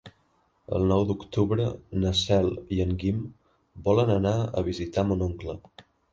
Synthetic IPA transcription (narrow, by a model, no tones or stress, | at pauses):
ə̰lˠnɔwd̪ukt̪uβɾənəsɛlˠiəŋɡim | bɔlənənaə̰β̞izit̪amunoŋklə